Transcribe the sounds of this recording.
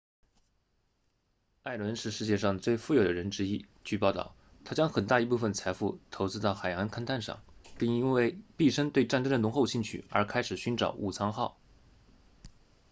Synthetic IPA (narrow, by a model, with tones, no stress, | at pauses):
a˥˩ɪlwə˧˥nʂɻ̩˥˧ʂɻ̩˥˧t͡ɕjɛ˥˧ʂɑ˥˧ŋt͡swe˥˧ɪfu˥˩jo˨˩d̪ə˦ɻə˧˥nʈ͡ʂɻ̩˥i˥ | t͡ɕy˥˧pɑ˥˧ʊt̪ɑ̰˥˩ʊ | t̪ʰa˥t͡ɕjɑ˥ŋxə˨˩nt̪a˥˩i˧˥p̬u˥˩fə˥˩nt͡sʰa˧˥ɪfu˥˩t̪ʰo˧˥ʊt͡sɹ̩˥t̪ɑ˥˩ʊxa˨˩ɪjɑ˧˥ŋkʰa˥nt̪ʰa˥˧nʂɑ̰˥˩ŋpi˥˩ŋi˥nwe˥˧ɪpi˥˩ʂə˥nt̪we˥˧ɪʈ͡ʂa˥˩nʈ͡ʂə˥ŋd̪ə˨nʊ˧˥ŋxo˥˧ʊɕi˥˩ŋt͡ɕʰy˥˩ə̰˞˧˥kʰa˥ɪʂɻ̩˨˩ɕy˧˥nʈ͡ʂɑ̰˨˩˦ʊʔu˨˩t͡sʰɑ˧˥ŋxɑ˥˩ʊ